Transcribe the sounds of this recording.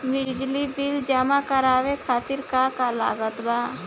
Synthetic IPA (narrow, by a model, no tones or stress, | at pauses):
bɪd͡ʒd͡ʒlibɪld͡ʒamãkəɾaːʋekʰaːt̪ɪɾkakala̰ːɡət̪baː